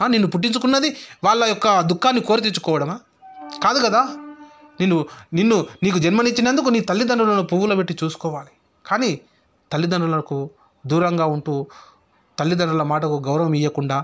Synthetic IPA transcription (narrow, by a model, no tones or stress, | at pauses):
aːninːupuʈːiɲt͡ʃukunːɐd̪iʋaːɭːɐjɔkːɐd̪ukːaːnːikoːɾit̪̬iɲt͡ʃːu̥kɔːʋɐɽɐmaː | kaːd̪ukɐd̪aː | ninːuninːuniːkud͡ʒɐnmɐniɲt͡ʃːinɐnd̪ukuniːt̪ɐlːid̪ɐɳɖulɐnupuwulɐbeʈːit͡ʃuːsu̥kɔːʋaːli | kaːniː | t̪ɐlːid̪ɐɳɖulɐɐku | d̪uːɾɐŋɡaːuɳʈuː | t̪ɐlːid̪ɐɳɖulɐmaːʈɐkuɡɐwɾɐʋɐmijːɐkuɳɖaː